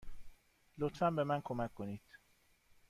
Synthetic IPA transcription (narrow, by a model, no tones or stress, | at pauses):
lot̪ʰfæmbe̞mænkʰomækʰːoniːd̪̥